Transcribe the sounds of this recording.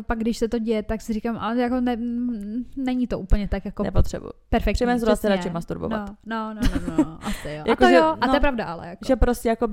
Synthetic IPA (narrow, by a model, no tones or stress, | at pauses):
paɡ̚ɡdɪʃsɛt̪o̞ɟɛjɛt̪aksɪɾrikamʔajakonɛ | nɛɲit̪oʔuːpl̩ɲɛt̪akjakonɛ̰pot̪r̥ɛ̰bṵjupɛɾfɛk̪ɛmɛnsɾasɛɾat͡ʃɪmast̪uɾbovna̰ot̪nononoʔasɪojakooʒɛoat̪ojɛpɾavdaʔalɛ̰jakoʒɛpɾoscɛjakob